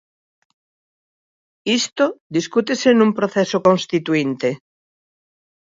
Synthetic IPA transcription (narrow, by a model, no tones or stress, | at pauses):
ist̪od̪iskut̪esenũmpɾoθɛsokõnst̪it̪uint̪e